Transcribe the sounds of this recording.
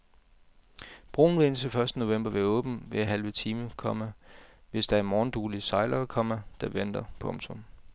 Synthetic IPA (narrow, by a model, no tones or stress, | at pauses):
b̥ʁo̝ːn̩ʋensəfɶɐsd̥əno̝ʋem̰b̥ɐʋeɐɔ̽ːb̥n̩ʋeɦælʋət͡sʰiːməkʰɒ̽məʋe̝sd̥ɑ̈æɐmɒːn̩d̥uːlisɑ̈ɪlɐkʰɒ̽mɐd̥ɑ̈ʋen̰d̥ɐpʰɔ̽mt͡sʰɔ̽m